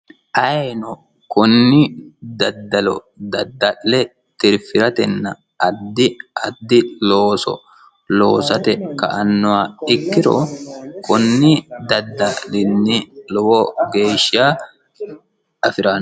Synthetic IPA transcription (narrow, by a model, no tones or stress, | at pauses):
ʔɐnɔ | kʊnːɪd̪ɐd̪ːɐlɔ̰ | d̪ɐd̪ːɐʔːɛ | t̪ɪɾfɪɾɐt̪ɛnːɐ | ʔɐd̪ːɪɐd̪ːɪloːsɔ̰ | loːsɐt̪ɛkɐ̰ʔɐnːɔaɪkːɪɾɔ̰kʊnːɪd̪ɐd̪ːɐlɪnːɪlɔwɔɡe̞ːʃːaː | ɐfɪɾaːn